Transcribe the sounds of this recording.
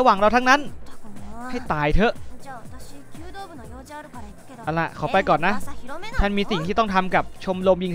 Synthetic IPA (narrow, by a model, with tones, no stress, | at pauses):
a˧waː˨˩ŋɾa˧wt̪ʰa˦˥ŋna˦˥n | ha˥˩jt̪aː˧jt̪ʰɤ˦˥ʔ | ʔa˧˩la˧˩ʔkʰɔː˩˦pa˧jkɔː˨˩nːa˦˥ʔt͡ɕ̪ʰa˥˩nmiː˧si˨˩ŋt̪ʰiː˥˩t̪ɔ˥˩t̪ʰa˧mka˨˩p̚t͡ɕʰo˧mlo˧mji˧ŋʰ